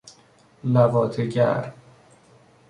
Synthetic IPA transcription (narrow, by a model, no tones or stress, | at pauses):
lævɒːt̪ʰeɟæ̰ɾ